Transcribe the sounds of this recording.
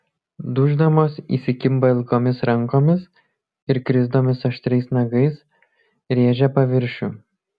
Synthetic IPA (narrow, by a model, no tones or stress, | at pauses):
d̪ʊʒd̪ɐmoːsḭːsʲɪkʲɪmbɐɪlˠkoːmʲɪsɾɐŋˑkoːmʲɪs | ɪɾkɾʲɪzd̪oːmʲɪsɐʃʲt̪ʲɾʲɛɪsnɐɡɐɪs | ɾʲeːʒʲɛpɐʋʲɪɾʲˑʃʲuˑ